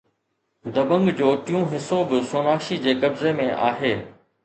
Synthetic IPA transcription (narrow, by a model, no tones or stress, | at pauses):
d̪ɐbə̃ŋɡd͡ʑoːʈɪjũɦɪsobɪsoːnaːkʃid͡ʑeːkɐbzemẽʔa̰ːɦeː